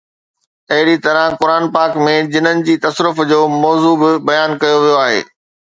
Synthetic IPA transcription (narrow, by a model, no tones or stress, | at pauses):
ɐɦɪɽit̪ɐɾə̃kʊɾaːnpaːkmẽd͡ʑɪnənɪ̆d͡ʑiːt̪ɐsɾʊfd͡ʑoːmɔːzuːbɪbɐjaːnkɐjoʋijoaːɦḛː